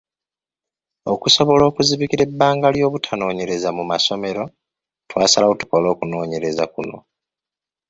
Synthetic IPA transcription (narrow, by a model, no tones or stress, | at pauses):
okuso̞βo̞lo̞ːkuziβikiɾe̞bːaːŋɡaljo̞ːβutʰano̞ːɲe̞ɾe̞zamumaso̞me̞ɾo̞ | twaːsalaotu̥ko̞lo̞ːkuno̞ːɲe̞ɾe̞zakuno̞̰